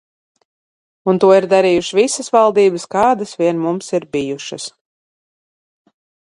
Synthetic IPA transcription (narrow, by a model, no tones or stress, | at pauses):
unt̪uɔiɾd̪aɾiːjuʃivisəsvalˠd̪iːbɨskaːd̪asvʲiɛnmumsiɾbijuʃɐs